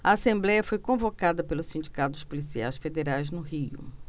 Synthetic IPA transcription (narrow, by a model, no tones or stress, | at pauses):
ɐ̰asẽmblɛjɐfojkõvokad̪ɐpelʊssĩnd͡ʒikat̪ʊ̥spolisia̰jsfed̪eɾajznʊɦiʊ̰